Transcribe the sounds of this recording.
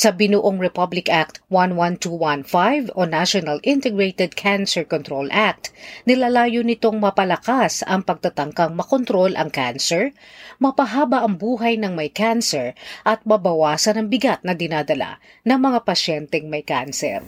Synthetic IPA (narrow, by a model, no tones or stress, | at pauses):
sɐbɪnuʔoŋɹɛpablɪkʔak̚t̪wanwant̪uwanfajvonaʃonɐlʔɪ̃nt̪ɛɡɹejt̪ɛd̪̚kʰansɛɹkont̪ɾolʔak̚t̪nɪlalaːjonɪt̪o̞ŋmɐpɐlɐkasɐŋpɐɡ̚t̪ɐt̪ɐŋkɐŋmɐkont̪ɾo̞lʔɐ̰ŋkansɛɹ | mɐpɐɦaːbɐʔɐŋbuːɦɐjnɐŋmɐjkansɛɹʔɐt̪̚mɐbɐwaːsɐnɐŋbɪɡat̪̚nɐɡ̪ɪnaːd̪ɐla̰ | nɐŋmɐŋapɐʃɛnt̪ɛŋmɐjka̰nsɛ̰ɾ